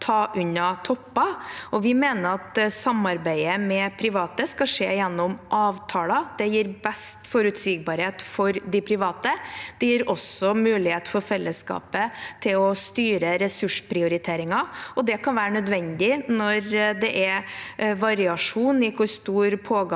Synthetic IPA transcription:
t̪ʰɑːʔʉɲːɑt̪ʰɔpːɑɔʋɪmeːnəɾɑt̪sɑmɑɾbæɪəmɛpʰɾɪʋɑːt̪əskɑʂeːjɛnːɔmʔɑːʋt̪ʰɑːlɑd̪̥ɛjiːɾbɛst̪fɔɾʉt̪siːɡ̚bɑːɾheːt̪fɔɾd̪ɪpʰɾɪʋɑːt̪əd̪̥ɛjiːɾɔsɔmʉːlɪheːt̪fɔɾfɛlːəskɑ̰ːpət̪ʰɪlɔst̪yːɾəɾɛsʉʂpʰɾɪʊɾɪt̪ʰeːɾɪŋɑɔd̪ɛkɑnʋæːɾənœd̪ʋɛnd̪ɪnɔɾd̪ɛʔɛ | ʋɑɾɪɑʂuːnɪkʰʊst̪uːɾpʰoːɡ

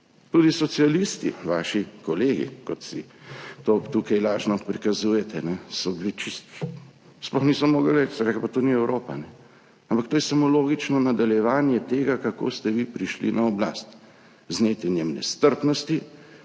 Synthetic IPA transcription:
t̪ud̪isɔsialist̪ḭʋaːʃikɔleːɡḭkɔt̪sit̪oːt̪uːkɛjlaːʒnɔpɾikazuːjɛt̪ɛnɛsɔbilit͡ʃist̪ | splɔxniːsɔmoːɡalɛt͡ʃsɛɾɛklpat̪oːniɛwɾʔoːpa̰nɛ | ampɐkt̪oːjɛsamoloːɡit͡ʃnɔnad̪aljɛʋaːnjɛt̪eːɡakako̰st̪ɛʋipɾiʃlḭnʔaɔbla̰ːst̪ | znet̪ɛnjemnɛ̰st̪əɾpnɔst̪i

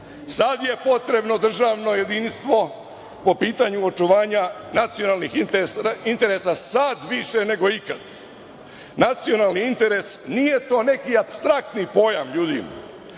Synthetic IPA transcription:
sad̪je̞po̞t̪ɾe̞bno̞d̪r̩ʒaːʋno̞je̞d̪inst̪ʋo̞ | po̞piːt̪aɲuot͡ʃuʋaːɲa | nat̪sio̞nalnixit̪int̪e̞ɾesasad̪ʋiʃene̞ɡo̞ikad̪ | nat̪sio̞naːlˠniint̪e̞ɾesnije̞t̪o̞ːne̞kiapst̪ɾak̚t̪nipo̞ja̰mʎuːd̪im

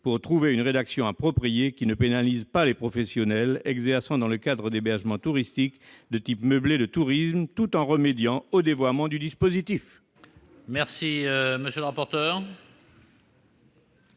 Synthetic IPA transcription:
puʁt̪χuveynʁed̪aksjɔ̃apχɔpχijekʲinəpenalizpalepχɔfɛsjɔnɛlɛɡzɛʁsɑ̃d̪ɑ̃ləkad̪ʁəd̪ebɛʁʒmɑ̃t̪uʁist̪ikd̪ət̪ipməbled̪ət̪uʁismt̪ut̪ɑ̃ʁəmed̪jɑ̃od̪evwamɑ̃d̪yd̪ispozit̪if | mɛʁsiøməsjøləʁapɔʁt̪œːʁ

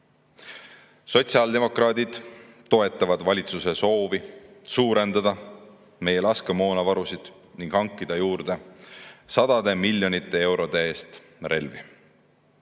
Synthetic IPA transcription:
so̞t̪ʲsiɑld̪e̞mo̞krɑːd̪id̪̥ | t̪ːo̞e̞t̪ːˑɑvɑd̪̥vɑlʲit̪suse̞so̞ːvisuːɾe̞nd̪̥ɑd̪̥ɑ | me̞jelɑskemo̞ːnɑvɑɾusid̪̥ | niŋɡ̥hɑŋkːid̪̥ɑjuːrd̪̥e̞ | sɑd̪̥ɑd̪e̞milʲːjo̞nit̪ːˑe̞e̞wɾo̞d̪̥e̞e̞ːst̪ | re̞̰lvi

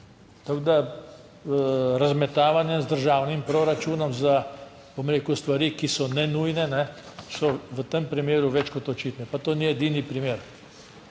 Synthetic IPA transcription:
t̪aɡd̪a | ɾazmɛt̪aːʋanjɛzd̪əɾʒaːwnimpɾoɾat͡ʃuːnɔmza | bɔmɾeːkust̪ʋaɾiːkisɔnɛnujnɛnɛsɔʋət̪empɾimeːɾuʋɛt͡ʃkɔt̪ɔt͡ʃiːt̪nɛpat̪oːniɛd̪inipɾimeːɾ

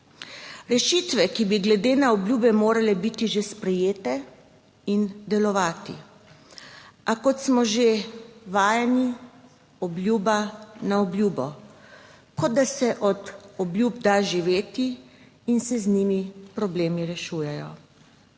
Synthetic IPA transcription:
ɾɛʃit̪ʋɛkibiɡlɛd̪eːnaɔbljuːbɛmoːɾalɛbit̪iʒespɾɛjeːt̪ɛ | ind̪ɛlɔʋaːt̪ḭ | akɔt̪smɔʒeʋaːjɛni | ɔblʲjuːbanaɔblʲjuːbɔ | kɔd̪̚d̪asɛʔɔt̪ɔblʲjub̚d̪aʒiʋeːt̪iː | nsɛzniːmipɾɔbleːmiɾɛʃuːjɛjɔ̰

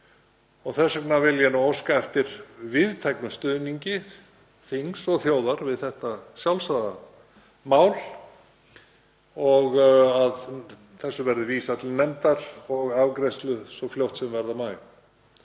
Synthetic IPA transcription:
ɔɣθɛsːaknavɪljɛnaɔskaɛft̪ɪɾ̥vɪðt̪ʰɛjknʏst̪ʏðniɲcɪ | θiŋsɔɣθjoːwðaɾvɪðθɛht̪asjawlsaða | maːwl | ɔɣað | θɛsːʏvɛɾðʏviːsat̪ʰɪlnɛmt̪aɾ̥ɔɣavkɾɛst̪lʏsɔfljowht̪sɛmvɛɾðamaːj

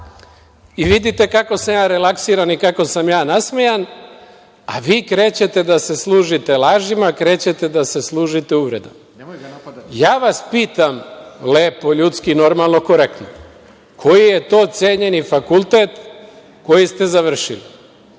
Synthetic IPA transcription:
iʋid̪it̪e̞kako̞samjaːɾe̞laksiːɾanikako̞samjaːnasmejan | a̰ʋiːkɾe̞ːt͡ɕe̞t̪e̞d̪ase̞slˠuːʒit̪e̞laːʒimakɾe̞ːt͡ɕe̞t̪e̞d̪ase̞slˠuːʒit̪euʋɾed̪am | jaːʋaspiːt̪amleːpo̞ʎut̪skino̞ɾmalˠno̞ko̞ɾekt̪no | kʰo̞jije̞t̪o̞ːt̪seːɲe̞nifakulˠt̪et̪ | ko̞jist̪e̞zaʋr̩ʃili

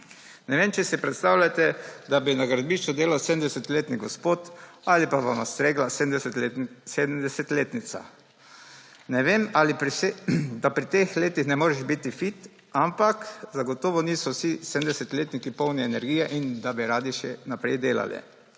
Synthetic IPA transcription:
nɛʋeːmt͡ʃɛsipɾɛt̪st̪awlʲjat̪ɛd̪abinaɡɾad̪̚biʃt͡ʃɔd̪eːlawsed̪md̪ɛsɛt̪leːt̪niɡɔspoːt̪alipaʋamast̪ɾeːɡlase | seːd̪md̪ɛsɛt̪leːt̪nit̪sa̰ | nɛʋemalipɾsed̪apɾit̪exleːt̪ixnɛmoːɾɛʒbit̪ifit̪ | ampakzaɡɔt̪oːʋɔniːsɔsised̪md̪ɛsɛt̪leːt̪nikipɔwniɛnɛɾɡijɛʔind̪abiɾaːd̪iʃɛnapɾɛjd̪eːla̰lɛ̰

